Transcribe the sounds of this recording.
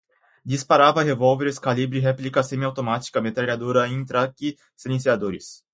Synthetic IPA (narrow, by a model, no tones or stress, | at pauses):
d͡ʒ̪ispaɾavɐɦevowveɾɪskalibɾiɦɛplikɐsẽmiawt̪omat͡ʃi̥kɐmet̪ɾaɾiad̪uɾɐẽj̃t̪ɾaki | silẽsiad̪oɾɪs